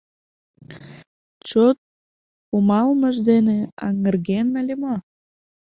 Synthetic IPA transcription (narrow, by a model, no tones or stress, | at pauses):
t͡ɕot̪̚ | pumɑlməʒd̪eneɑ̰ŋərɣenəlʲemo